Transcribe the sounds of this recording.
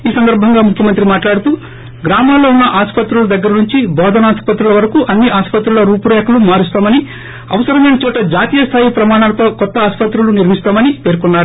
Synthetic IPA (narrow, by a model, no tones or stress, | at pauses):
iːsɐnd̪ɐɾbʱɐŋɡaːmukʰjɐmɐnt̪̬ɾimaːʈlaːɽut̪uː | ɡɾaːmaːlo̞ːunːɐʔaːspɐt̪ɾulɐd̪ɐɡːɐɾɐnuɲt͡ʃibɔːd̪ɐnaːspɐt̪ɾulɐʋɐɾɐkuʔɐnːiʔaːspɐt̪ɾulɐɾuːpuɾɛːkɐlumaːɾust̪aːmɐni | ɐ̰ʋɐsɐɾɐmɐjnɐt͡ʃɔːʈɐd͡ʒaːt̪iːjɐst̪ʰaːjipɾɐmaːɳaːlɐt̪o̞ːkɔt̪ːɐaːspɐt̪ɾuluniɾmist̪aːmɐnipe̞ːɾkunːaːɾu